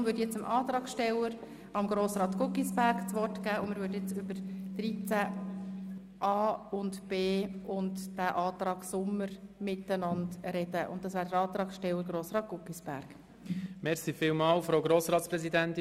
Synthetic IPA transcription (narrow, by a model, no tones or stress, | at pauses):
ʋʏːdjɛt͡səmʔɑːt̪ɾɑːkʃtɛləɾ | ɑmɡɾoːsɾɑːt̪kʊkisbæɾkt͡sʋɔrtkæːʊnməɾʋʏːtjɛt͡sʏbəɾd̪̥ɾit͡sæ | ʔɑːʊndb̥eːʊntd̥æːʔɑːt̪ɾɑːksʊmːəɾmɪtənɑndɾɛd̥əʔʊ̰nt̚dɑsʋæːɾdəɾɑːt̪ɾɑːksʃtɛwəɾɡɾoːsɾɑːt̚ɡ̥ʊkisb̥æ̰ɾɡ̥ | mɛɾsifɪːlmɑːlfɾoʊɡɾoːsɾɑːt̪spɾɛsid̪ænt̪